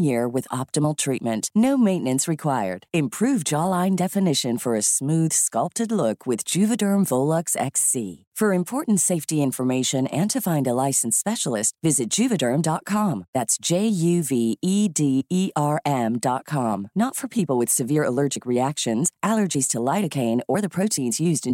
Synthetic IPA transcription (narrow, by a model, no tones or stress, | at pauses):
jɪɹwɨðɑ̰p̚təml̩ˠtʰɹ̥it̚mɨ̃nʔnoʊmẽɪ̃nɨ̃nsɹɨkʰw̥aɪə̰˞d̥ɨ̃mpʰɹ̥ʉvd͡ʒɑlãɪ̃ndɛfɨnɪʃɨ̃nfə˞ɨsmʉð̥skʌlˠp̚tɨdˡlʊkʰwɨð̥d͡ʒʉvɨdɜ̃˞ɱvoʊlˠəksɛ̰ksḭ | fə˞ɨ̃mpʰɔɹʔn̩tseɪftiɪ̃ɱfə˞meɪʃɨ̃nɨ̃ntʰɨfãɪ̃ndəlaɪsn̩spɛʃl̩ˠɪst̚vɪzɨt̚d̥ʒ̥ʉvɨdɜ̃˞mdɑt̚kʰɑ̃mðætsd̥ʒ̥eɪjʉviidiiʔɑɹʔɛ̃mdɑt̚kʰɑ̃mnətfə˞pʰipl̩ˠwɨð̥sɨvɪɹəlɜ˞d͡ʒɨkɹiækʃɨ̃nz̥ælˠə˞d͡ʒiz̥tʰəlaɪɾɨkʰẽɪ̃nə˞ðəpʰɹ̥oʊɾʰĩnzjʉzdɨ̃